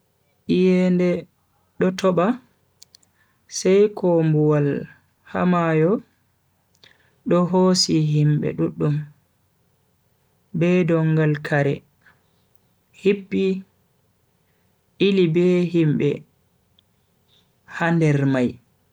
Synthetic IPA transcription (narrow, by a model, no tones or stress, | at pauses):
ʔijɛndɛ | ɗɔtɔɓa | sɛjkʰɔmbuwal | ha̰majɔ | ɗɔɦoːsiɦimbɛ̰ɗuɗːum | bɛdɔŋɡalkʰaɾɛ | hipːi | ʔilibɛɦimbɛ̰ | handɛɾmaj